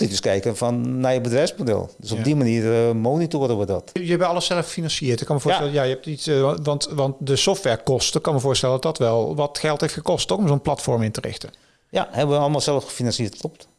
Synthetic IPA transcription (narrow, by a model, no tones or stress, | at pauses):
titdəskɛjkənfɔnːajəbədrɛjfsmodɛ̰lˠdøsɔb̚dimaniərmoːnitoːɾəʋədɔtjɛpɛɑləssɛləfxə̥finɑnsɪərtɪkːɑnməvoːstɛləjajəɛp̚titʋɑntʋɑntdəsɔftʋɛɹkɔstəkɑnməvʊːstɛləndɑdɑtʋɛlˠʋɑtxɛlˠtheftxəkɔstokɔmzonplɑtfɔɹmɪntərɪ̰xtən | ja̰hɛbəʋəɑlˠəmalˠsɛləfxə̥finɑnsiətkʰlɔpt